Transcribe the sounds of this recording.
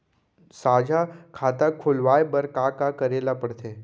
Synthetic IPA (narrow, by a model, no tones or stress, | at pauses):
saːd͡ʒʱakʰat̪akʰʊlʋaːjebəɾkakakəɾeːlapəɽt̪ʰeː